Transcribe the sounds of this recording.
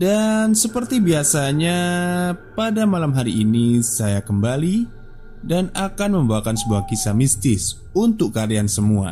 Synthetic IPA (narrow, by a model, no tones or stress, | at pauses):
dansəpərt̪ibiasaɲa | padamalamɦaɾiʔːnisajakəmbali | danakanməmbawakansəbuahkisamist̪ɪs | unt̪ʊkːaɾiansəmua̰